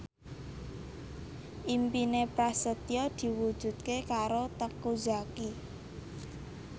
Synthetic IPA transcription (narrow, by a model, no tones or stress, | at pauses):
ʔimpinepɾasət̪iɔd̪̥i̤wud̥ʒ̥ṳt̪̚kekaɾot̪əkud͡ʒaki